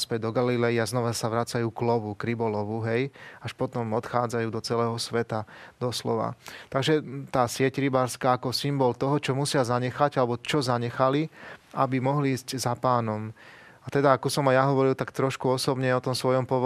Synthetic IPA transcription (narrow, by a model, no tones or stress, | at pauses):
spɛɟd̪ɔɡalilɛjiaznɔʋasaʋɾat͡sajuːklɔʋukɾibɔlɔʋuɦɛjaʃpɔt̪ɔmɔt̪xaːd͡zajuːd̪ɔt͡sɛlɛːɦɔsʋɛt̪ad̪̥ɔslɔ̰ʋa̰t̪aɡʒɛt̪aːsɪɛcɾibaːɾskaːkɔsimbɔlt̪ɔɦɔt͡ʃɔmusɪazaɲɛxaɟalɛbɔt͡ʃɔzaɲɛxaliabimɔɦliiːzczapaːnɔm | at̪ɛd̪aːkɔsɔmajaɦɔʋɔɾilt̪akt̪ɾɔʃkuɔsɔbɲɛɔt̪ɔmsʋɔjɔmpɔʋɔ